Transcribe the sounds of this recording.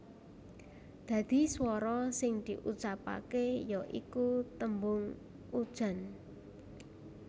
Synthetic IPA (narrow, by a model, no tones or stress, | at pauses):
d̪̥ä̤d̪̥i̤swɔɾɔsɪŋd̪̥i̤ʔut͡ʃapa̰kejɔʔḭkut̪əmbʊŋ | ud̥ʒ̥a̤n